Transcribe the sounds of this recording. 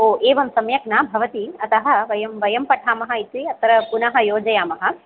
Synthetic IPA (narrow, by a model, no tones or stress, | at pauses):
oːeːʋɐmsɐmjɐknaːbʱɐʋɐt̪iɐt̪ɐɦɐ̆ʋɐjɐmʋɐjɐmpɐʈʰaːmɐɦɐit̪iɐt̪ɐɾɐpunɐɦɐ̆joːd͡ʒɐjaːmɐɦɐ̆